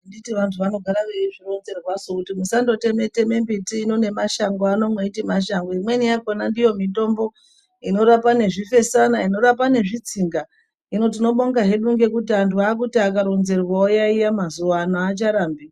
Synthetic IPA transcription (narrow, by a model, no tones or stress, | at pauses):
nditiʋantʰuʋano̞ɡʱaɾakeʐiro̞nze̞rwazokutimusando̞te̞me̞te̞me̞mbitiːno̞ne̞maʃaŋɡoano̞mweitimaʃaŋɡoimwe̞nijakonandijo̞mito̞mbo̞ | ino̞ɾapane̞ʐife̞sanaino̞ɾap̬ane̞ʐit͡siŋɡa | ino̞t̬ino̞ɓo̞ŋɡaɦe̞ɗuŋɡe̞kutiantʰuaːk̬utiakaɾo̞nze̞rwaojaijamazuʋaːnoat͡ʃaɾaːmbe